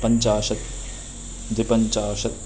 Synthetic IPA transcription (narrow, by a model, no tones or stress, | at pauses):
pɐɲt͡ʃaːʃɐt̪̚ | d̪ipɐɲt͡ʃaːʃɐt̪̚